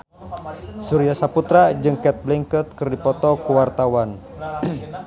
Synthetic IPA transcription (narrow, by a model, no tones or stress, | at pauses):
suɾijasaput̪ɾad͡ʒɨŋkɛt̪̚bliŋkət̪̚kɨrdipɔt̪ɔkuwart̪awan